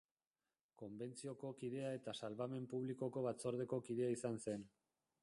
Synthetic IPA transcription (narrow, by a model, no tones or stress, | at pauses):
ko̞mbe̞nt͡sio̞ko̞kið̞e̞ae̞t̪asalβame̞mpuβliko̞ko̞βat͡so̞ɾð̞e̞ko̞kiðe̞aisanse̞n